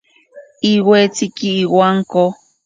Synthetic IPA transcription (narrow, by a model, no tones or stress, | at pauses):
iwet͡sikiːwaŋko